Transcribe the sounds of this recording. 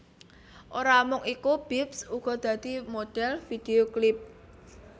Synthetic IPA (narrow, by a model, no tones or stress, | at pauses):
ʔoɾamʊŋikub̥ipsuɡ̥ɔ̤d̪̥ä̤d̪̥i̤mod̪̥ɛlfid̪̥eoklɪp̚